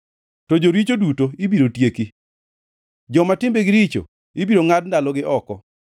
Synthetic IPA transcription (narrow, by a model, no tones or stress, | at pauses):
tɔd͡ʒoɾit͡ʃodutoibiɾotjeki | d͡ʒɔmatɪmbeɡɪɾit͡ʃo̰ | ibiɾoŋad̚ndalɔɡɪʔɔkɔ